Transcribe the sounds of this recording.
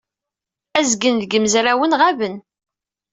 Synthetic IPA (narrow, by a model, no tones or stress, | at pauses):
æzɡənðɡəmzɾæwənʁævən